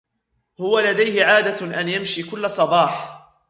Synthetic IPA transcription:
hʊwalad̪ajhɪʕaːd̪aʔanjamʃiːkʊlːasˤɑbɑːħ

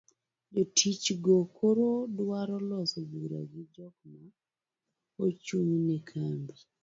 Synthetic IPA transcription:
d͡ʒotʰit͡ʃɡokʰoɾodwaɾɔlɔsɔbuɾa̰ɡid͡ʒɔkma | ot͡ʃuɲinɛkʰambi

